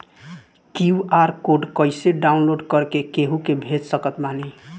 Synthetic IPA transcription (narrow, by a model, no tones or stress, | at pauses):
kiuaɾkoɖkəjseɖaunloɖkʌɾkekeɦũkebʱed͡ʒsəkət̪bani